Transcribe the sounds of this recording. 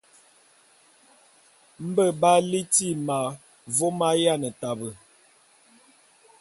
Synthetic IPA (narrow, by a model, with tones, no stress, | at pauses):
m̩˦bə˦ba˦li˦ti˦ma˨ | vo˦ma˦ja˦nə˨ta˨bə˨